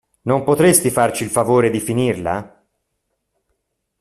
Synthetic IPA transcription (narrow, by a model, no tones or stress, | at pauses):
nompot̪ɾest̪ifart͡ʃiːlfavoːɾed̪ifinirla̰